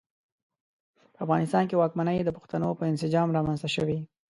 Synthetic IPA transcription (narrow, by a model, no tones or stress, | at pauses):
pəafɣɑnɪst̪ɑnkewɑkmanəjd̪əpʊ̥xt̪anopəɪnsɪd͡ʒɑmɾɑmanzt̪aʃəwi